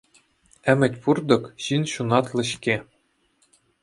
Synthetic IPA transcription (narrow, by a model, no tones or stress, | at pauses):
ɘ̆mʲɘ̆tʲpurd̪ɤ̆kɕinɕunɑt̪lʲˠɘ̆ɕkʲe